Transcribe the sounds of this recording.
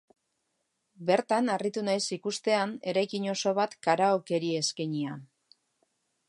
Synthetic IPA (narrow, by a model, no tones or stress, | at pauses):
be̞ɾt̪anarit̪unajsikust̪e̞ane̞ɾajkiɲo̞so̞βat̪kaɾaoke̞ɾie̞skeɲian